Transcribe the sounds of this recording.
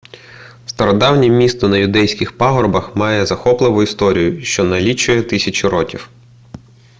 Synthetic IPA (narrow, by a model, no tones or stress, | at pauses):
st̪ɐɾɔd̪ɑwnʲimʲist̪ɔnɐjʊd̪ɛjsʲkʲɪxpɑɦɔrbɐxmɑjɛzɐxɔplˠɪʋʊist̪ɔɾʲijʊʃt͡ʃɔnɐlʲit͡ʃːʊjɛt̪ɪsʲɐt͡ʃʊɾɔkʲiw